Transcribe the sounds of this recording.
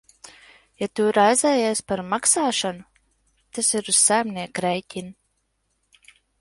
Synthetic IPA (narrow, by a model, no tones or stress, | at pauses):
jat̪uɾajzɛːjɛspaɾmaksaːʃanu | t̪asiɾuzsajmnʲiɛkɾɛjcʲin